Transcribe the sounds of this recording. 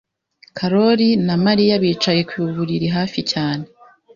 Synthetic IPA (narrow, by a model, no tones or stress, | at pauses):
kʰaɾo̞ɾinamaɾijaβiːt͡ʃaje̞kwiuβuɾiɾiɦaːficaːne̞